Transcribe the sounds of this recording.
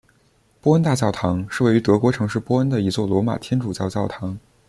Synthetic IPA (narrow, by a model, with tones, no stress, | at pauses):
pwɔ˥ə˥nt̪a˥˧t͡ɕjɑ˥˩ʊt̪ʰɑ˧˥ŋʂɻ̩˥˧we˥˩ɪy˧˥t̪ɤ˧˥kwɔ˧˥ʈ͡ʂʰɤ˧˥ŋʂɻ̩˥˧pwɔ˥ə˥nd̪ə˨i˧˥t͡swɔ˥˩lwɔ˧˥ma̰˨˩t̪ʰjɛ˥nʈ͡ʂu˨˩t͡ɕjɑ˥˧ʊt͡ɕjɑ˥˩ʊt̪ʰɑ˧˥ŋ